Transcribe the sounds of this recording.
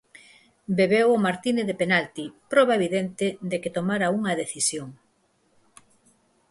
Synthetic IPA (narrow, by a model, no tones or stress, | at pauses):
beβewomaɾt̪ineðepenalt̪ipɾɔβaeβiðent̪ɪd̪eket̪omaɾɐuŋɐðeθisjoŋ